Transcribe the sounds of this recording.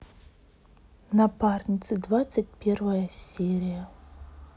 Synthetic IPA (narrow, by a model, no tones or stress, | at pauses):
nɐparnʲit̪sɨd̪vat̪sɨt̚ʲpʲervɐjɐsʲeɾʲɪjɐ